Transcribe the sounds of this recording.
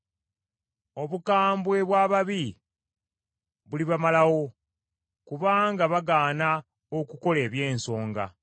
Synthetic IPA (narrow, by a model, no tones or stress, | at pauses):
o̞βukaːmbwe̞βwaːβaβi | βuliβamalawo̞ | kuβaːŋɡaβaɡaːna | okuko̞le̞ːβje̞ːnso̞ːŋɡa̰